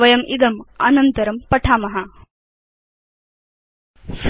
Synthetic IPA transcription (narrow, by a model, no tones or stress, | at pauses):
ʋɐjɐmid̪ɐmɐ̰nɐnt̪ɐɾɐmpɐʈʰaːmɐɦɐ | s